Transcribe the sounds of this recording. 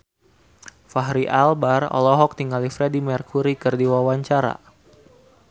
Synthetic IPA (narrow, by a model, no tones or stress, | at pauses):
faɦɾiʔalbarɔ̰lɔɦɔk̚t̪iŋɡalifɾedimɛrkuɾikɨrdiwawaɲt͡ʃaɾa̰